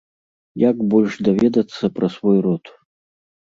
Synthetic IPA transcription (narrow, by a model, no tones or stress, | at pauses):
jaɡbɔlʲʂd̪avʲɛd̪ɐt̪sːɐpɾɐsvɔjrɔt̪